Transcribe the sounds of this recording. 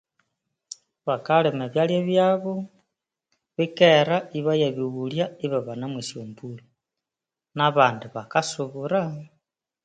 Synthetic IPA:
βakalemeβjaljeβjaβo | βikeɾaiβajaβiɣuljaiβaβanamwisjombuli | naβaːndiβakasuβuɾa

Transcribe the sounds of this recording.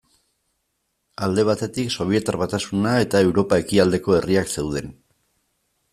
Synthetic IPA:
ald̪e̞β̞at̪e̞t̪ikso̞β̞ie̞t̪aɾβat̪asunae̞t̪ae̞wɾo̞pae̞kiald̪e̞ko̞e̞riakse̞wð̞e̞n

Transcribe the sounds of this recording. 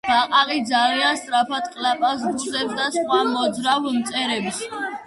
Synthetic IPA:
b̥aqʼaɾʼid̪zalianst̪ʼɾapʰat̪qʼlapʼas̬dzɛb̚d̪asχwamɔd̪zɾavmt̪sʼɛɾɛbs

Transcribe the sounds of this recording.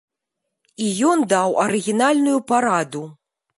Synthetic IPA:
ijɔnd̪awɐɾɨɣʲinalʲnujupaɾad̪u

